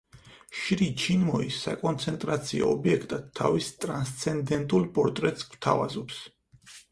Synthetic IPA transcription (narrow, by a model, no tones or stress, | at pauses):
ʃɾit͡ʃʰinmɔisːakʼɔnt̪sʰɛnt̪ʼɾat̪sʰiɔ̰ːbiɛkʰt̪ʼad̪ʰːavist̪ʼɾanst̪sʰɛnd̪ɛnt̪ʼulˠpʼɔɾt̪ʼɾɛt̪ʼsw̥t̪ʰavazɔps